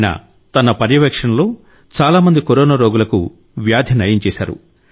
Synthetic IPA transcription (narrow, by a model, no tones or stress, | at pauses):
nɐ̰ | t̪ɐnɐpɐɾjɐʋɐkʂɐnɐloː | t͡ʃaːlaːmɐnd̪ikoɾɔːnɐɾoːɡulɐkṵ | ʋjaːd̪ʱjɐnɐjɐɲt͡ʃɛːsa̰ːɾṵ